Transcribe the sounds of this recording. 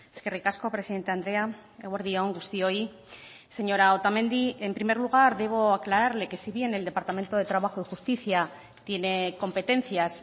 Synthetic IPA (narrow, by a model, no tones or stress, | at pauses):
eske̞rikasko̞pɾe̞siðe̞nt̪e̞and̪ɾe̞aeɣwaɾðio̞ŋɡust̪io̞i | se̞ɲo̞ɾaot̪amẽ̞nd̪ie̞mpɾime̞ɾluɣ̞aɾðe̞β̞o̞aklaɾaɾle̞ke̞siβje̞ne̞ld̪e̞paɾt̪ame̞nt̪o̞ð̞e̞t̪ɾaβ̞axoðexust̪iθia | t̪je̞ne̞ko̞mpe̞t̪e̞n̟θjas